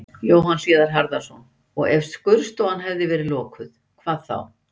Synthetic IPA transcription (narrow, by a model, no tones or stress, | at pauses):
joːwɦansjɛːðaɾ̥ɦaɾðḁsɔn | ɔ̰ɣɛfskʏɾst̪owanɦɛvðɪvɛːɾɪlɔːkʏð | kʰvaːðθa̰w